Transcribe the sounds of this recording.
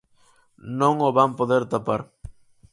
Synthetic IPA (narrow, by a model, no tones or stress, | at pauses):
nõŋoβampoðeɾt̪apaɾ